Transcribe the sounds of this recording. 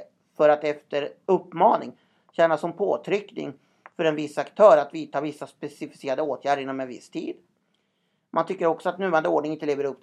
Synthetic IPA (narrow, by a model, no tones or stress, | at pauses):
fœɾat̪ɛft̪əɾɵpːmɑːnɪ̰ŋ | ɕɛːnasɔmpʰoːt̪ʰɾʏknɪ̰ŋ | fœɾɛnvɪsːakt̪ʰœːɾat̪viːt̪ʰɑːvɪsːaspɛsɪfɪ̥seːɾad̪əoːt̪ʰjæːɖəɾɪnːɔmɛnvɪ̰st̪ʰḭːd̪ | mʔant̪ʰʏkːəɾɔksɔat̪nʉvaɾand̪əoːɖɳɪŋɪnt̪əleːvəɾɵp̪ː